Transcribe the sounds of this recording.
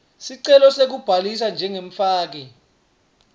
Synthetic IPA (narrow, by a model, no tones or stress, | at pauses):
siǀɛlɔsek̬ub̥ʱalisand͡ʒʱɛŋeɱ̩faːk̬ɛ